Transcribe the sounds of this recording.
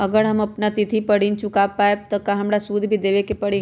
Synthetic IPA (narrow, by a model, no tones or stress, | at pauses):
ɐɡəɾɦɐmɐpnat̪ɪt̪ʰipɐɽ̤int͡ʃʊkapaːet̪ɐkaɦɐmɾasuːd̪ʱbʱid̪eːʋekepɐɽĩ